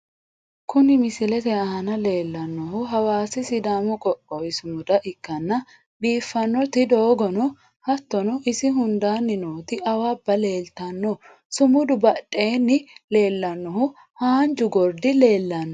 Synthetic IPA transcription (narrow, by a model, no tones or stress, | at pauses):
kʊnɪmɪsɪlɛt̪ɛɐɦɐnɐle̞ːlːɐnːɔɦʊɦɐwaːsɪsɪd̪aːmɔkʼɔkʼːɔwɪsʊmʊd̪ɐʔɪkːɐnːɐ | biːfːɐnːɔt̪ɪd̪oːɡɔnɔ | hɐt̪ːɔnɔʔɪsɪɦʊnd̪aːnːɪnoːt̪ɪʔɐwabːɐle̞ːlt̪ɐnːɔ | sʊmʊd̪ʊbɐᶑʼːe̞ːnːɪle̞ːlːɐnːɔɦʊ | haːnd͡ʒʊɡɔɾd̪ɪle̞ːlːɐnːɔ